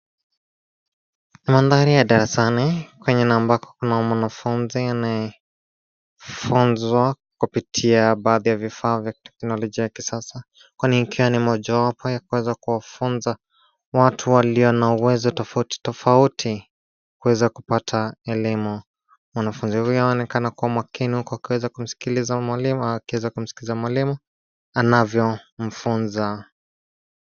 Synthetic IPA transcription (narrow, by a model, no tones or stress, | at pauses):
nimanðaɾijaɗaɾɛsanikwɛɲɛnambakɔ̥kunamwanafunzianajɛ | funzwa | kupitʰiaɓaːðijavifaːvjatɛ̥knɔlɔʄiajakisasa | kwaniikʰiwanimɔʄawapɔjakuwɛzakuwafunza | watʰuwaliɔnauwɛzɔtɔfauti̥tɔfautʰi | kuwɛzakupatʰaɛlimu | mwanafunzihujnaɔnɛkanakuwamwakinihukɔakiwɛzakum̩si̥kilizamalikiwɛzakum̩si̥kilizamwalimu | anavjɔm̩funza